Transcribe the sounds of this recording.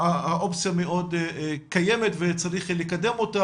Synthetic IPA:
aaʔo̞pt͡sijameʔo̞d̪kajemetvet͡saʁiχlekade̞mo̞ta

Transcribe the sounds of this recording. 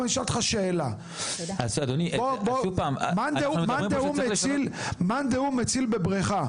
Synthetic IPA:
niʃalt̪χaʃeːla | asad̪oniboboupaːmmand̪eumand̪eumet͡silmand̪eumet͡silbebʁeχa

